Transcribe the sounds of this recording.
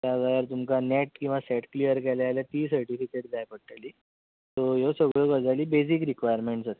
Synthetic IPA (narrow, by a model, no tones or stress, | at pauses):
t̪jaɡajəɾt̪umkanɛʈkĩw̃ʋasɛʈklijəɾkɛlaaljat̪iːsəɾʈifikeʈ̚d͡zajpəɽ̚ʈ̪aliː | t̪ojosəɡɭəkəd͡zaliːbesikɾikʋajəɾmeɳʈsat̪e